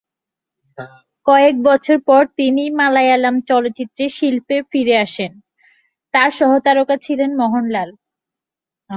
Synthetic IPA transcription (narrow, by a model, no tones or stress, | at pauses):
kɔek̚bɔt͡ɕʰoɾpɔɾt̪inimalajalamt͡ɕɔlot̪ːt͡ɕit̪ːɾeʃilpefiɾeaʃen | t̪aɾʃɔɦot̪aɾokat͡ɕʰilenmɔɦonlal